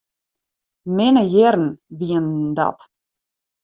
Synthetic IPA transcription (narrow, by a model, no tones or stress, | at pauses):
mɪnəjɪɾən̩ʋiəndɔ̰t